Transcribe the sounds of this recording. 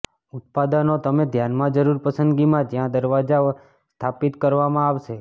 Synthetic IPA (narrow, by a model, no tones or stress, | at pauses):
ʊt̪̚pad̪ənot̪əmed̪ʱjanmãd͡ʒəɾuɾpəsə̃nd̪ɡimãd͡ʒjãd̪əɾʋad͡ʒa | st̪ʰapit̪kəɾʋamãaʋʃe